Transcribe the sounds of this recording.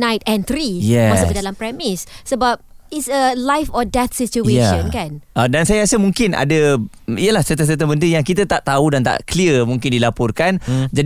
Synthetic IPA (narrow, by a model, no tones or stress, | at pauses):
najt̚ɛ̃nt̪ɾijɛasəfədalampɾɛmissəbap̚itsəlajfɔdɛt̪̚sit͡ʃueʃɔ̃nkanədansajəasəmũŋkɪna̰də | iəlahsət̪əs̬ət̪əbəndəjaŋkit̪ət̪aʔt̪audant̪a̰ʔkliəmũŋkɪndilapɔrkand͡ʒa